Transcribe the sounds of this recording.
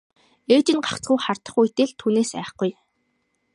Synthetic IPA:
eːt͡ɕɪ̆nɢḁkt͡sɡujχart̪ə̆χujt̪ĕɮt̪ʰuːneːsæ̰ːχɡuj

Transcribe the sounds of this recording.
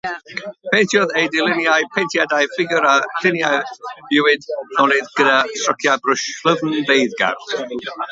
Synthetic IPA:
pʰejntʰjɔðejdɪlɪnjajpʰentʰjadajfɪɡjʊɾal̥ɪnjajbɪwɪdnɔnɨðɡ̥ədastrɔkʰjabrʊʃlˠəvn̩bejðɡa̰r

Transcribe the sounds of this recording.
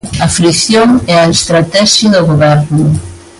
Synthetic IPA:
ɐfɾikθjoŋɛɐest̪ɾat̪ɛʃɐðoɣoβɛɾnʊ

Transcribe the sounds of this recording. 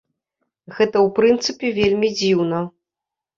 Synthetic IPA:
ɣɛt̪ɐwpɾɨnt̪sɨpʲɛvʲelʲmʲid͡zʲiwnɐ

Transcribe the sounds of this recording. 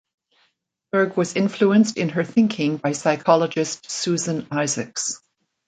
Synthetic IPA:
b̥ə˞ɡwʌzɪ̃ɱfluɨ̃nstɨ̃nə˞θɪ̃ŋkʰɪ̃ŋbaɪsaɪkʰɑlˠəd͡ʒɨstsʉzɨ̃naɪzɨks

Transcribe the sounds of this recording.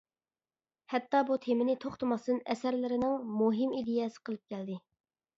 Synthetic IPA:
hɛt̪ːɑbut̪ʰemɪnɪt̪ʰoχt̪ʰʊmɑsd̪ɨnɛsæɾlɪɾɪnɪŋmuɦɪmid̪ɪjɛsɪ̥qʰəlˠɨp̚kʲɛld̪ɪ

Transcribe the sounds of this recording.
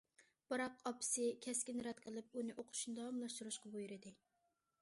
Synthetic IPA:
b̥ɑɾɑqʰɑpʰɨ̥sɪkʲʰɛskʲɪnɾɛt̪qʰəlˠɨp̚unɪʔoqʰʊ̥ʃnɨd̪ɑwɑmlˠɑʃt̪uɾuʃqɑbojuɾɪd̪ɪ

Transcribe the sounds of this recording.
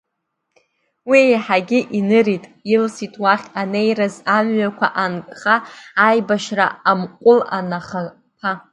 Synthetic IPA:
wijħaɡʲɪʔinɨɾitʼɪlsitʼwaχʲanejrazamɥakʷʰaʔankʼχaːjbaʃra̰amqʷʼʊlanaχa | pʰa

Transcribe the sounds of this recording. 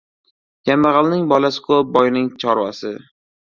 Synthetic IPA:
jamːaʁɑlˠnɪŋbɒlasɪ̥kʰop̚bɒjnɪŋt͡ʃʰɒɾwa̰sɪ

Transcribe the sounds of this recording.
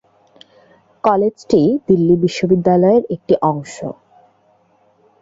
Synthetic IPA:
kɔled͡ʑʈid̪ilːibiʃːobid̪ːalɔeɾek̚ʈiʔɔŋʃo̰

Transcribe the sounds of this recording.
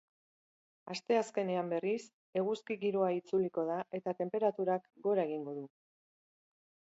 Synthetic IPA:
ast̪e̞aske̞neambe̞ris | e̞ɣuskiɣiɾo̞ait͡suliko̞ðaʔe̞t̪at̪e̞mpe̞ɾat̪uɾakɡo̞ɾae̞ɣ̞iŋɡo̞ðu

